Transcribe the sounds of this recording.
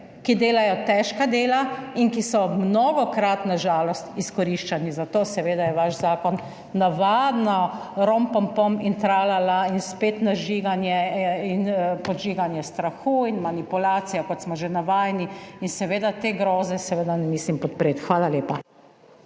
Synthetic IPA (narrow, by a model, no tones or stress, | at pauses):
kid̪eːlajɔt̪ɛʃkad̪eːlainkisɔmnɔːɡɔkɾat̪naʒaːlɔst̪iskɔɾiʃt͡ʃanizat̪oːsɛʋeːd̪ajɛʋaʃzaːkɔnː | aʋad̪nɔ | ɾɔmpɔmpɔmint̪ɾaːlalainspeːt̪naʒiːɡanjɛinpɔʒiːɡanjɛst̪ɾaxuinmanipulaːt̪sijakɔt̪smɔʒenaʋaːjniinsɛʋeːd̪at̪eɡɾɔːzɛsɛʋeːd̪anɛmiːslimpɔt̪̚pɾeːt̪xʋaːlaleːpa